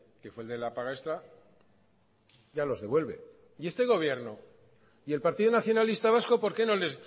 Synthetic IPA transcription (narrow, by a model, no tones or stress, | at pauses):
ke̞fweld̪e̞lapaɣaest̪ɾa | ʝalo̞zðe̞βwe̞lβe̞̰ | ie̞st̪e̞ɣ̞o̞β̞je̞ɾno | ie̞lpaɾt̪iðonaθjo̞nalist̪aβ̞asko̞po̞ɾke̞no̞le̞z